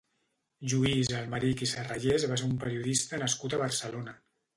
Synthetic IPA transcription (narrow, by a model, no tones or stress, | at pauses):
ʒuizəlˠmaɾikisəraʒezβaseɾumpəɾiuðist̪ənəskut̪əβərsəlonə